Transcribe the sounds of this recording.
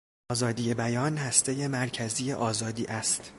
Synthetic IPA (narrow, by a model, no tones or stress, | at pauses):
ɒːzɒːd̪iːje̞bæjɒːnhæst̪e̞je̞mæɾcʰæzije̞ʔɒːzɒːd̪iːʔæst̪